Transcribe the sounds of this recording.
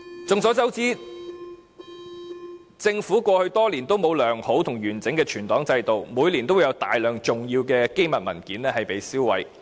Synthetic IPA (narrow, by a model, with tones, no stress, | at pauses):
t͡sʊ˨ŋsɔː˨˥t͡sɐ˥wt͡siː˥ | t͡sɪ˧ŋfuː˨˥kʷɔː˧hɵ˧ɥt̪ɔː˥liː˨˩nt̪o˥wmo˨˧wlœː˨˩ŋho˨˥wt̪ʰʊ˨˩ŋjyː˨˩nt͡sɪ˨˥ŋkɛː˧t͡ʃʰyː˨˩nt̪ɔː˨˥ŋt͡sɐ˧jt̪o˨wmuː˨˧jliː˨˩nt̪o˥wjɐ˨˧wt̪a̰ː˨jlœː˨ŋt͡ʃʊ˨˩ŋjiː˧wkɛː˧ke˥jmɐ˨t̚mɐ̰˨˩nkiː˨˥nlɛː˥hɐ˨jpe˨˧jsiː˥wwɐ̰˨˥j